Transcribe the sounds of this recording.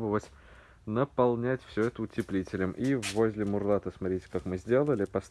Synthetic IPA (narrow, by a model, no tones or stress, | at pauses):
bəvətʲ | nəpɐlˠnʲætʲfsʲɵɛt̪əʊtʲɪplʲitʲɪlʲɪmʔivozʲlʲɪmʊrlˠat̪əsmɐtɾʲitʲɪ̥kakmɨzʲdʲe̞lˠəlʲɪpɐst̪